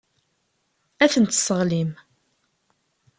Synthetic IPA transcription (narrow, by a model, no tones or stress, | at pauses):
æθənt̪ːsəʁlim